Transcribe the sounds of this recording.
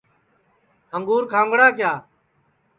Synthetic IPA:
əŋɡuːɾkʰãːŋɡɽaːkjaː

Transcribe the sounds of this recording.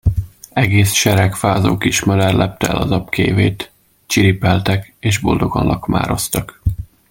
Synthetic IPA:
ɛɡeːsʃɛɾɛkfaːzoːkiʃmɒd̪ɛrlʔɛp̚t̪ɛɛ̰lɒzɒpkeːveːt̪ | t͡ʃiɾipɛlt̪ɛkeːʒbo̞ld̪o̞ɡɒnlːʔɒkma̰ːɾo̞st̪ɒk

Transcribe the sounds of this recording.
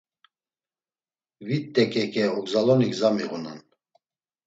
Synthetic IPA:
vit̪ːɛkʼɛkʼɛɔɡzalɔniɡzamiʁunan

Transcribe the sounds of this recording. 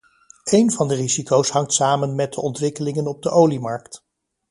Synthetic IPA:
ejnvɑndərizikowsɦɑŋtsaːmənmɛt̚dəʔɔntʋɪkəlɪŋənɔb̚dəʔowlimɑɹkt

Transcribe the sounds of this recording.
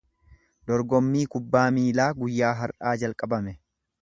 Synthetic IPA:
d̪̥ɔɾɡɔmːiːkʊbːaːmiːlaːɡʊjːaːɦɐɾʔaːd͡ʒɐlkʼɐbɐmɛ

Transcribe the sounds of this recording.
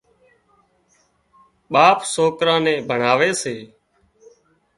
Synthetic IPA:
ɓaːpsoːkɾãːnẽːbʱəɳaːʋeːseː

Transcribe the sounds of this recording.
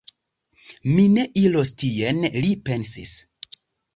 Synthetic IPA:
mine̞ʔilostienlipe̞nsḭs

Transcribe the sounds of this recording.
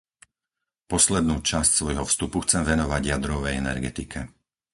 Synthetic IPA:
pɔslɛd̪nuːt͡ʃascsʋɔjɦɔfst̪upuxt͡sɛmʋɛnɔʋaɟɪjad̪ɾɔʋɛjɛnɛ̰ɾɡɛt̪ikʰɛ

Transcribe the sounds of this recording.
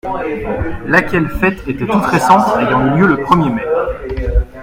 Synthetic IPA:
lakʲɛlfɛt̪et̪ɛt̪ut̪ʁesɑ̃t̪ejɑ̃yljøləpχəmjemɛχ

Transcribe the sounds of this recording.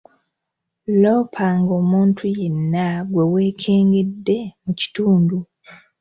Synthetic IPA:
lo̞ːpʰaŋɡo̞ːmuːntʰujenːaɡwe̞we̞ːkʰe̞ːŋɡe̞dːe̞muci̥tuːndu

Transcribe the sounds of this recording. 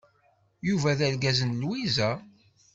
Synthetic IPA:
juvæðælɡæzənlwizæ

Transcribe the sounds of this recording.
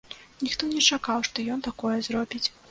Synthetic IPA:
nʲixt̪ɔnʲɛt͡ʂakawʂt̪ɔjɔnt̪akɔjɛzrɔbʲit͡sʲ

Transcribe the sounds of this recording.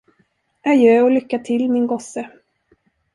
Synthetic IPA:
ajøːɔlʏkːaʈʰɪlːmɪnɡɔsːə

